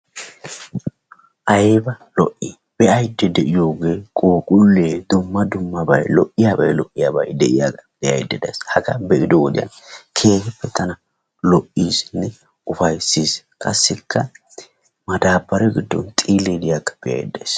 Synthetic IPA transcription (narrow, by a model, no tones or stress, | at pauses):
ʔɐjbɐlɔʔːi | b̥ɛɐjd̪ːɛd̪ɛʔɪjo̞ːɡe̞ːkʼoːkʼʊlːeːd̪ʊmːɐd̪ʊmːɐbɐjlɔʔɪjaːbɐ̰jlɔʔːɪjaːbɐ̰jd̪ɛʔɪja̰ːɡɐb̥ɛɐ̰jd̪ːɛd̪ɐ̰jshɐɡɐbɛʔɪd̪ɔwɔd̪ɪ̰jɐ̰nkʰe̞ːfɛpːɛt̪ʰɐnɐ | lɔʔːiːsnːɛ | ʊfɐjsiːs | kʼɐsːɪkʰːɐ | mɐd̪aːbːɐɾɛɡɪd̪ːɔ̰nt̪ʼiːlɛd̪ɪjakːɐ̥b̥ɛɐ̰jd̪ːɐjs